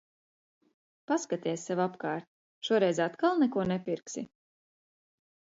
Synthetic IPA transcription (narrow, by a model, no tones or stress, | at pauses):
paskat̪ʲiɛsʲsavapkaːɾt̪̚ | ʃuɔɾɛjzat̪kalˠnɛkuɔnɛpʲiɾksi